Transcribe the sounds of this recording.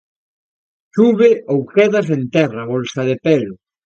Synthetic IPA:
suβɪʔowkeðas̬ent̪ɛraβolsaðepɛlʊ

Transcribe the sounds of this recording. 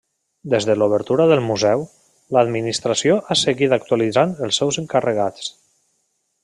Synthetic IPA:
d̪ezðəluβ̞əɾt̪uɾəðəlˠmuzɛw | ləd̪minist̪ɾasioʔasəɣit̪ak̚t̪ualid͡zanəlˠsːɛwzəŋkərəɣat͡s

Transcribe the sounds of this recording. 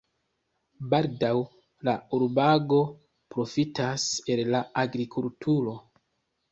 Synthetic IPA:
baldaw | lauɾbaɡo̞ | pɾo̞fitase̞llaaɡɾikʰultʰuɾo̞

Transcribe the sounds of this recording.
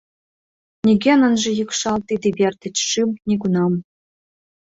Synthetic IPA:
nʲeɡʲenə̆nʒĕjɯkʃɑlt̪id̪iβʲert̪ɘ̆t͡ɕʂɨmnʲiɡunɑm

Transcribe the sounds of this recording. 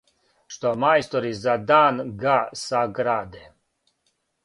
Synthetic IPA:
ʃt̪omajst̪oɾizad̪aːnɡasaɡɾaːd̪e

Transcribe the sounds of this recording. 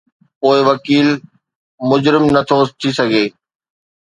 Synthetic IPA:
poːɪʋɐkiːl | mʊd͡ʑɾɪmnɐt̪ʰot̪ʰisɐɡʱeː

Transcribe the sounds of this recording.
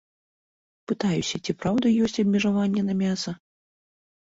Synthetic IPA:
pɨt̪ajusʲɐt͡sʲipɾawd̪ɐjɔsʲt͡sʲɐbʲmʲɛʐavanʲːɛnɐmʲasɐ

